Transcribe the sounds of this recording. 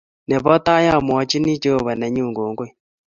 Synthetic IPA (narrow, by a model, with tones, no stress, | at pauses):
nɛ˨βɔ˦t̪a˦ja˦˨m˨ɔ˨˦t͡ʃi˦ni˦t͡ʃo˦˨βa˨nɛ˨ɲu˦˨ŋɡo˨ŋɡwe˦˨